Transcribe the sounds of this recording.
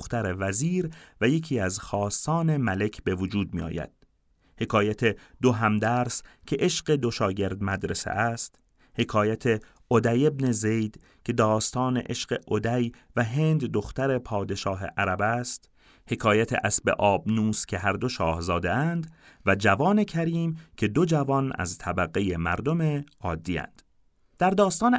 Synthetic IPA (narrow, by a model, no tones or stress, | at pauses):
xt̪æɾevæziːɾvæje̞cʰiːæzxɒːst̪ɒːne̞mæle̞cʰbe̞vod͡ʒuːd̪̚mḭːɒ̰ːjæ̰d̪̥̚ | he̞kʰɒːjæt̪ʰe̞d̪oɦæmd̪æɾscʲʰeʔeʃɢe̞d̪o̞ʃɒːɟe̞ɾd̪mæd̪ɾesḛʔæst̪ | he̞kʰɒːjæt̪ʰe | od̪æje̞bnezejd̪̥ | cʰe̞d̪ɒːst̪ɒːnḛʔeʃɢe̞ʔod̪æj | væɦe̞nd̪ːo̞xt̪æɾe̞pʰɒːd̪e̞ʃɒːɦe̞̰ʔæɾæbæst̪ | he̞kʰɒːjæt̪ʰḛʔæsbḛʔɒːbnuːscʰe̞ɦæɾd̪o̞ʃɒːhzɒːd̪eænd̪væd͡ʒævɒːne̞cʰæɾiːmcʲʰe̞d̪o̞d͡ʒævɒnæ̰zt̪ʰæbæɣeje̞mæ̰ɾd̪o̞me̞ | ɒːd̪ːiːæ̰nd̪̥ | d̪̥æɾd̪ɒːst̪ɒːn